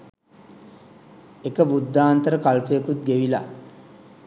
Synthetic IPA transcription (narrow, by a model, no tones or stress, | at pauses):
ekəbud̪ːaːnt̪əɾəkalpujekut̪̚ɡeʋila̰